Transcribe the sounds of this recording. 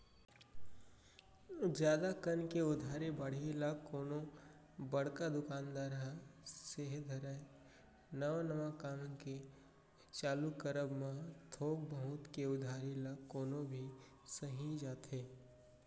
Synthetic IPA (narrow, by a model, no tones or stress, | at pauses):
d͡ʒjaːd̪akənkeʊd̪ʱaːɾebɐɽ̤ilaːkːoːnõ | bɐɽ̤kad̪ʊkaːnd̪aːɾɦəseɦd̪ʱɐɾə | nɐʋanɐʋakamke | t͡ʃaːlukəɾəbmãt̪ʰoːk̚bəɦut̪keʊd̪ʱaːɾilaːkːoːnõbʱi | sɐɦĩd͡ʒaːt̪ɦeː